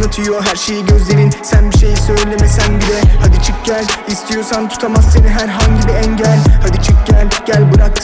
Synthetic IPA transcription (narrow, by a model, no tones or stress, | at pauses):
nɯt̪ʰɯjo̞ɦæɾʃe̞jiɟø̞zlʲe̞ɾinsænbiʃe̞jisø̞jlʲemesænbilʲɛhad̪it͡ʃʰɯk̚ɟælʲist̪ʰijo̞sant̪ʰu̥t̪ʰamasːeniɦæɾɦaɲɟibiɛɲɟælʲhad̪it͡ʃʰɯk̚ɟælʲɟ̥ælʲbɯɾak